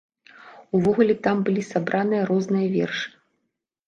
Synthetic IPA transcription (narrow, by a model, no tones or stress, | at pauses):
uvɔɣulʲɛt̪ambɨlʲisabɾʔanɨjɐɾɔznɨjɐvʲɛ̰rʂɨ̥